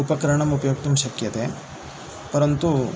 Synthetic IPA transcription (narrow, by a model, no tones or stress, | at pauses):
upɐkɐɾɐɳɐmupɐjok̚t̪umʃɐkjɐt̪e | pɐɾɐnt̪u